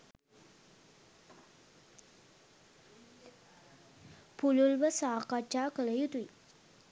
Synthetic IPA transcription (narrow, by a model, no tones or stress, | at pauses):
pululbəsaːkat͡ʃːakələjut̪uj